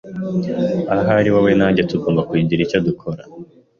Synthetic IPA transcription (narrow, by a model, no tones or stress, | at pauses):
aɦaɾiwawe̞naːɲɟetuɡo̞ːmbakwiːɟiɾico̞dukʰo̞ɾa